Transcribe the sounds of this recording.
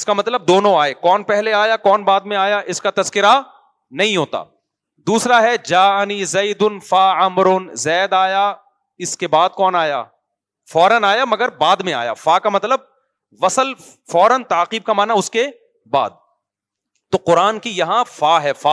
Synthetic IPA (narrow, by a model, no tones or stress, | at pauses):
ɪskamɐt̪ləb̚d̪oːnõaːekɔːnpɛɦleaːjakɔːnbaːd̪mẽaːjaʔɪskat̪ɐzkɪɾa | nɐɦĩɦoːt̪a̰ː | d̪uːsɾaɦɛd͡ʒaːnizɐɪd̪ʊnfaːɐmɾʊnzɛːd̪aːja | ɪskebaːd̪̚kɔːnaːja̰ː | fɔːɾənaːjamɐɡəɾbaːd̪mẽa̰ːja̰faːkamɐt̪ləb̚ | ʋɐsəl | fɔːɾənt̪aːqiːb̚kamaːnaʊske | ba̰ːd̪̚ | t̪oːqʊɾaːnkijɐɦãfaːɦɛfaː